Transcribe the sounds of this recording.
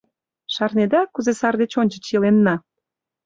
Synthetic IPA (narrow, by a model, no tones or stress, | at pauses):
ʃɑrned̪ɑkuzesɑrd̪et͡ɕonʲt͡ɕə̥̆t͡ɕelenːɑ